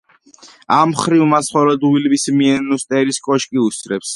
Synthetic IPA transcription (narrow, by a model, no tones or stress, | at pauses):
amχɾivmasχɔɾɔd̪ʁwilbismiɛnust̪ʼɛɾiskʼɔʃkʼiusʼɾɛps